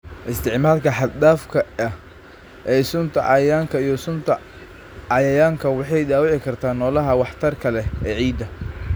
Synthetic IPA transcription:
ʔɪst̪ʰɪʕmaːlkʰɐħɑd̪d̪aːfkʰɐɐ | ʔɛːsʊnt̪ʰɐʕɑjaːŋkʰɐijɔsʊnt̪ʰɐ | ɑjɐjaːŋkʰɐwɑħɑjd̪aːwɪʕɪkʰɐrt̪ʰaːnːɔːlɐɦɐwɑħt̪ʰɐrkʰɐlɛɛːʕiːd̪ɐ

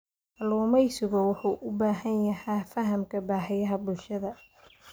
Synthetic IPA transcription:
ʔɐlɔːmɛjsʊɣɔwʊħuːʔʊbaːɦɐnjɐhɛːfɐɦɐmkʰɐbaːħɪjɐɦɐbʊlʃɐðɐ

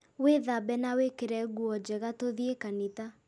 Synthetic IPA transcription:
weðabɛnawekeɾɛɣuɔd͡ʑɛɣatoðiekanita

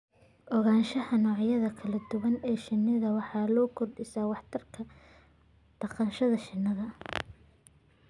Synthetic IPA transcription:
ʔɔɣaːnʃɐhɐnɔːʕjɐðɐkʰɐlɐd̪̥ʊwɐnɛːʃɪnːɪðɐwɑħɑːlɔːkʰɔrɖɪsaːwɑħt̪ʰɐrkʰɐ | d̪̥ɐqɑnʃɐðɐʃɪnːɐðɐ

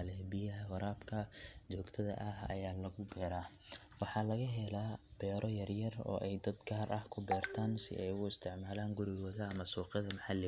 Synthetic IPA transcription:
lɛbɪjɐɦɐwɐɾaːbkʰɐt͡ʃɔːɡt̪ʰɐðɐ̰ʔɐɦɐ̰jaːlɐɣʊbɛːɾaː | wɑħɑːlɐɣɐɦɛlaːbɛːɾʔɔjɐrjɐrɔ̰ːʔɛjd̪ɐd̪ɡaːrʔɐhkʰʊbɛːrt̪ʰaːnsɪ̰ʔɛjʊɪst̪ʰɪʕmaːlaːŋɡʊɾɪwɔðɐɐmɐsuːqɪðɐmɐħalɪ

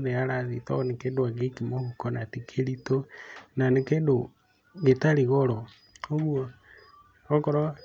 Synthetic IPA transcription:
ðeaɾaðitɔɔnekedoaɡekimohukɔnatikʰeɾitonanekedo | ɣetaɾiɣɔɾɔ | oɣuo | ɔkɔɾɔ

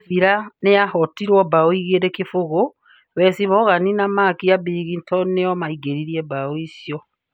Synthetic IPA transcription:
iɾaneahɔtiɾwɔbaoiɣeɾekefoɣo | wɛsiβɔɣaninamakiabiɣintʰɔneɔmaiɡeɾiɾiɛbaoisjɔ

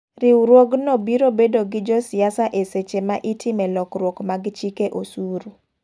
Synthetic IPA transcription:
ɾɪwɾwoɡnobiɾobedoɡɪd͡ʒɔsɪasaʔeset͡ʃemaʔitʰɪmɛlɔkrwokmaɡt͡ʃikeʔosuɾu

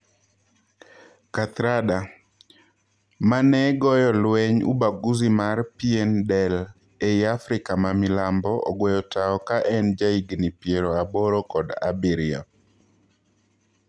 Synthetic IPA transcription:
kat̪ɾada | manɛɡɔjɔlwɛɲṵbaɡuzimarpiendɛl | ejafɾɪkamamilambɔʔɔɡwɛjɔtaɔkaʔɛnd͡ʒaiɡnipjeɾoabɔɾɔkɔda̰biɾia̰

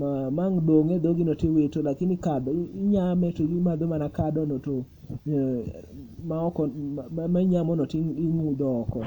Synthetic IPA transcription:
mamaŋdoŋed̪oɡinɔtewetolakɪnikadɔɲamɛtoɡimad̪omanakadɔnoto | maɔkɔmaɲamɔnɔtiŋiŋud̪ɔːkɔ̰

